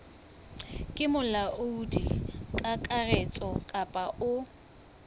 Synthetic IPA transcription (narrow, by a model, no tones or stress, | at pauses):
kʼɪmʊlaʔʊudḭkʼakʼarɛt͡sʼɔkʼapʼaʔʊ